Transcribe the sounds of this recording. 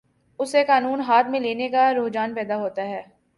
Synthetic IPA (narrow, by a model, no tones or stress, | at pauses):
ʊsekaːnuːnɦaːt̪mẽleːnekaɾoːd͡ʒaːnpɛːd̪aɦoːt̪aɦɛː